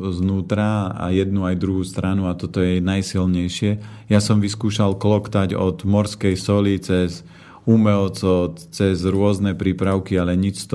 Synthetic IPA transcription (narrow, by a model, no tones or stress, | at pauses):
znuːt̪ɾaa̰jɛd̪nuajd̪ɾuɦuːst̪ɾanuat̪ɔt̪ɔjɛnajsilɲɛjʃɪɛjasɔmʋiskuːʃalklɔkt̪aɟɔ̰d̪mɔɾskɛjsɔlit͡sɛz | umɛɔt͡sɔt͡sɛzɾʊɔznɛpɾiːpɾaʊkialɛɲit͡ʃst̪